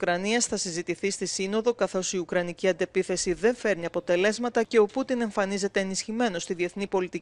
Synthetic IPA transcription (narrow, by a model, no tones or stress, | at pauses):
ukɾɐniɐsθɐsizit̪iθist̪isino̞ðo̞kɐθo̞siukɾɐniciɐnd̪e̞piθe̞siðe̞ɱfe̞ɾniɐpo̞t̪e̞le̞zmɐt̪ɐce̞o̞put̪ine̞ɱfɐnize̞t̪e̞ːnisçime̞no̞st̪iðie̞θnipo̞lit̪ii